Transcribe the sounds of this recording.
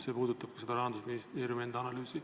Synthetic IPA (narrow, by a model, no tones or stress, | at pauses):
se̞puːd̪ut̪ːˑɑb̥̚kɑse̞d̪̥ɑɾɑɦɑnd̪usminist̪eːɾjumend̪ɑnɑlyːsi